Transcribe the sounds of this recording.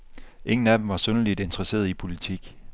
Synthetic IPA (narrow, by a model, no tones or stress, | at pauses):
ʔe̝ŋn̩æd̥em̩ʋɑ̈sønəlid̥e̝nt͡sʁɐse̝̰ːɐðˠipʰo̝lit͡sʰiɡ̥